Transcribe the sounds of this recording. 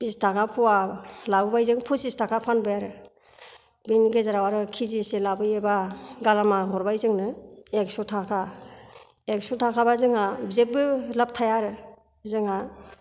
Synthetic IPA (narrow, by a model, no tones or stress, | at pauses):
b̥istʰakʰapʰɔwalabɯbajzɯŋpʰusistʰakʰapʰanbɯjaɾɯ | bimiɡezaɾawaɾɯkʰiziselabɯjebaɡalamaɦɔɾbajzɯŋnɯeksutʰakʰa | eksutʰakʰabazɯŋabzek̚bɯlap̚tʰajaɾɯ | zɯŋa